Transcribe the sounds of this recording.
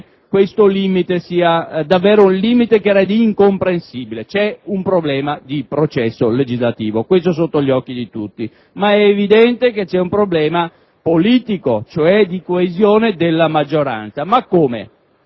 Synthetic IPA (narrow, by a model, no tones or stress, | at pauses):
kwest̪oliːmit̪esiːad̪avːɛːɾounliːmit̪ekeɛɾɛd̪iːŋkompɾensiːbilet͡ʃɛumpɾoblɛːmad̪ipɾot͡ʃɛsːoled͡ʒizlat̪iːvokwest̪os̬ot̪ːoʎːɔkːid̪it̪ut̪ːi | maɛːvid̪ɛnt̪eket͡ʃːɛumpɾoblɛːma | poliːt̪ikot͡ʃoɛd̪ikoezjoːned̪elːamad͡ʒːoɾa̰nt̪samakːoːmḛ